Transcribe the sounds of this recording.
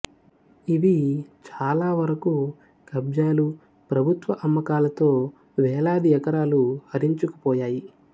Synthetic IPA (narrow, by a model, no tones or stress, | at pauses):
iʋit͡ʃaːlaːʋɐɾɐku | kɐbd͡ʒaːlu | pɾɐbʱut̪ʋɐʔɐmːɐkaːlɐt̪o̞ː | ʋɛːlaːd̪iɛkɐɾaːluhɐɾiɲt͡ʃuku̥pɔːjaːji